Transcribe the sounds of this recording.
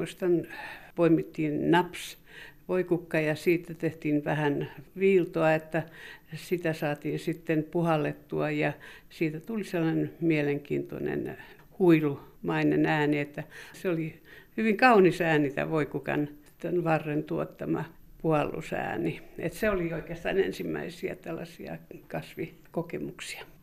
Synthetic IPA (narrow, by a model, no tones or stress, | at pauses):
muist̪ɑnpoimit̪ːiːnnɑps | ʋoikukːɑjɑsiːt̪ːæt̪eht̪iːnʋæhænʋiːlt̪oɑet̪ːæsit̪æsɑːt̪iːnsit̪ːenpuhɑlet̪ːuɑjɑsiːt̪æt̪uliselːɑnemieleŋkḭːnt̪o̰nḛn | huilumɑinenæːniet̪ːæseoli | hyʋiŋkɑunisæːnit̪æ̰ʋoikukɑ̰nt̪enʋɑrːent̪uot̪t̪ɑmæ | puhɑlːṵsæ̰ːniḛt̪seolioikeɑst̪ɑ̰ːnḛnsimːæ̰isiæ̰t̪ælːɑsiɑ̰kɑsʋi | kokemuksi̥ɑ̥